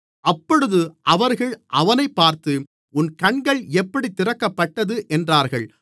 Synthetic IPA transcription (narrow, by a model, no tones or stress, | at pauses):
ʔɐpːɔɽɯðɯʔɐʋɐɾɣɐɭʔɐʋɐnɐɪpːaːɾt̪ɯ | ʊnkɐɳɡɐɭɛpːɐɽit̪ːɪɾɐkːɐpːɐʈːɐðɯʔɛndraːɾɣɐɭ